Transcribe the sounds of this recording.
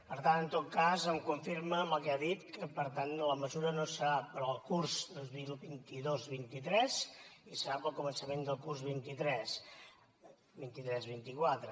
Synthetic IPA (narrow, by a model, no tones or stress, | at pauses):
pəɾt̪anənt̪ot̪̚kazəmkuɱfiɾməməlˠkɛaðit̪kəpəɾt̪anləməzuɾənosəɾapɾɔːlˠkuɾzd̪əlˠβilˠbint̪iðozβint̪it̪ɾɛzisəɾapəlˠkumənsəmend̪əlˠkurzβint̪it̪ɾɛs | bint̪it̪ɾɛzβint̪ikwat̪ɾə